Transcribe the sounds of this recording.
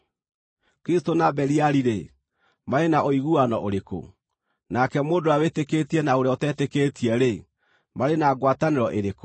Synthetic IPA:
kɾistonabɛɾiaɾiɾe | maɾenaʔoiɣuanɔʔoɾeko̰ | nakɛmoːndoawetekeːtiɛnaoɾeotɛːtekeːtiɛɾe | maɾenaːɡwataneɾɔʔeɾeko

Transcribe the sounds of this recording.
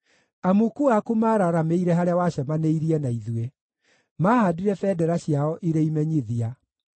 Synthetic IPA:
amukuakumaːɾaɾameiɾɛɦaɾeawaɕɛmaneiɾiɛnaiðue | maːhadiɾɛfɛdɛɾaɕiaɔʔiɾeimɛɲiðia

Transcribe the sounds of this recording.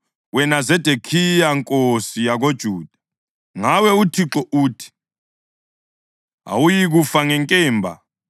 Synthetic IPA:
wɛnazɛd̥ʱekʰijaŋkʼosijaɣod̥ʒ̥ʱuːd̥ʱḁ | ŋawɛutʰiǁɔʔuːtʰi̥ | a̰wujiɣufaŋɛŋkʼɛːmbʱa̰

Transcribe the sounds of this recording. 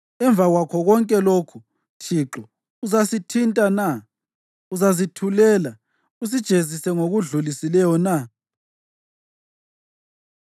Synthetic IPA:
ɛɱb̪vʱaɣwakʰɔɣɔŋkʼɛlokʰu | tʰiǁɔ | uzasitʰintʼana | uzazitʰulɛːla | us̬id̥ʒ̥ʱezisɛŋoɣuɮulisilɛjɔna

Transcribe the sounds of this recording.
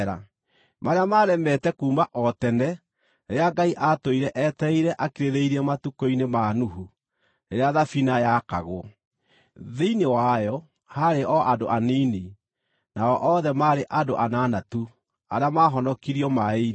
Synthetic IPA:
ɾa̰ | maɾeamaːɾɛmɛtɛkuːmaʔɔtɛnɛ | eeaɡaiʔatoiɾɛʔɛtɛiɾɛʔakeɾeðeiɾiɛmatukoinemanuɦu | ɾeɾeaðafinajaka̰ɣo | ðeinewajɔ | haɾeʔɔʔado̰ʔanini | naɔʔɔðɛmaɾeʔadoʔananatu | aɾeamaɦɔnɔkiɾiɔmae

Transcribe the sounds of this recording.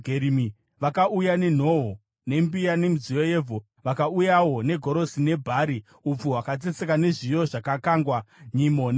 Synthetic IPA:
ɡʱeɾimi | ʋakaʔujane̞n̤o̞ɦo | ne̞mbijane̞muzijo̞jevʱo | ʋakaujawo̞ne̞ɡʱo̞ɾo̞sine̞bʱaɾi | up͡fuɦwakad͡zet͡sekane̞ʐijo̞ʐakakaːŋɡwaɲimon

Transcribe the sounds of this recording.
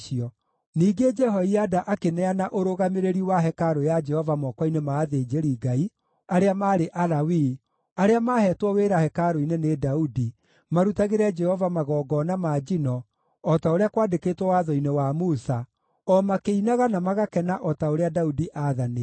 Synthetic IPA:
ʃiɔ | niːɡed͡ʒɛɦɔiadaʔakenɛanaʔoɾoɣameɾeɾiwaɦɛkaɾojad͡ʒɛhɔvamɔkwɔinemaːðed͡ʒeɾiɡai | aɾeamaːɾeʔalawi | aɾeamaːhɛtwɔweɾahɛkaɾoinenedaudi | maɾutaɣeɾɛd͡ʒɛhɔvamaɣɔːɡɔnamaːd͡ʒinɔ | ɔtaoɾeakwaːdeketwɔwaðɔinewamusa | ɔmakeinaɣanamaɣakɛnaʔɔtaoɾeadaudiʔaðane

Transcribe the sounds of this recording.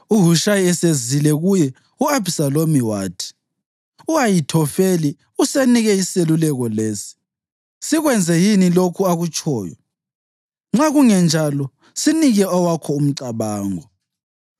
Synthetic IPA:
uɦuʃajiɛsezilɛɣujɛ | uabʱisalomiwaːtʰi̥ | uajitʰɔfeli | useniɣɛiselulɛɣɔleːsi̥ | siɣwɛnd͡zʱɛjinilokʰuaɣut͡ʃʰʼɔːjɔ̰ | ŋ͡ǁaɣuŋɛnd͡ʒʱalɔ | siniɣɛɔwakʰɔum̩ǀaβaːŋɔ

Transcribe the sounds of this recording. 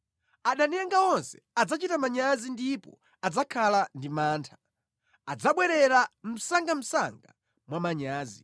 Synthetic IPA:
aɗanɛŋɡawɔnsɛ̥ad͡zat͡ʃitamaɲazindipɔ̰ | ad͡zakʰalandimaːntʰḁ | ad͡zaɓwɛɾɛɾam̩saŋɡam̩saŋɡa̰ | mwamaɲaːzi

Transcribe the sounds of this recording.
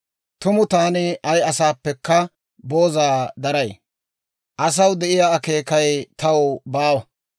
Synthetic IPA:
t̪ʊmʊt̪aːnɪɐjɐsaːpːɛkːɐ | boːzaːd̪ɐɾɐj | ʔɐs̬ɐwd̪ɛʔɪjaːɐke̞ːkɐjt̪ɐwʊbaːwɐ

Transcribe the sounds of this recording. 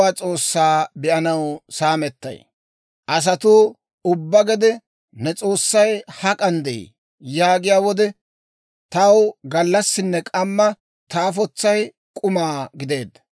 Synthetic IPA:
aːt͡sʼo̞ːsːaːbɪʔɐnɐwsaːmɛt̪ːɐ̰j | ʔɐs̬ɐt̪uː | ʊbːɐɡɛd̪ɛ | nɛt͡sʼo̞ːsːɐjhɐkʼɐnd̪ɛḭ | jaːɡɪjaːwɔd̪ɛ | t̪ɐwɡɐlːɐsːɪnːɛkʼɐmːɐ | t̪aːfɔt͡sːɐj | kʼʊmaːɡɪd̪e̞ːd̪ːɐ̥

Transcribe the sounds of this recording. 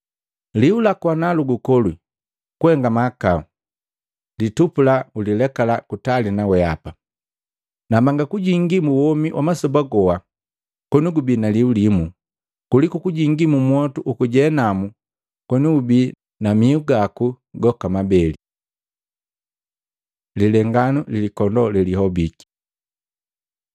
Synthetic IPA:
liulakwanaluɡukɔlwi | kuɛŋɡamakau | litupulaulilɛkalakutalinawɛapa | namaŋɡakuɟiŋɡimuwɔmiwʔa̰masɔbaɡɔwa | kɔnuɡubinaliulimu | kulikukuɟiŋɡimumwɔtuʔukuɟɛnamu | kwɔnuubi | namiuɡaku | ɡɔkamabɛli | lilɛŋɡanulilikɔndɔliliɦɔbiki̥

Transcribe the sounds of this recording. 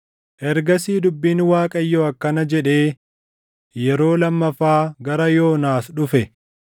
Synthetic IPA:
ʔɛɾɡɐsiːd̪ʊbːiːnwaːkʼɐjːoːɐkːɐnɐd͡ʒɛᶑe̞ː | jɛɾo̞ːlɐmːɐfaːɡɐɾɐjo̞ːnaːsɗʊfɛ

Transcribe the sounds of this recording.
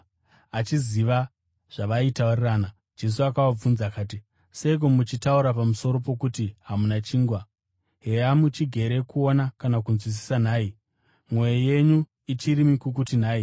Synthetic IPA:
at͡ʃiziʋa | ʐ̥aʋaitauriraːna | d͡ʒe̞s̬uakawab͡vunzakaːti | seik̬omut͡ʃitauɾapamuso̞ɾo̞p̬o̞kutiɦamunat͡ʃiːŋɡwa | ɦeamut͡ʃiɡʱe̞ɾe̞kuo̞nakanakunzwis̬i̥sanaːi | mwo̞jeje̞ɲu | it͡ʃirimikukutin̤aːi

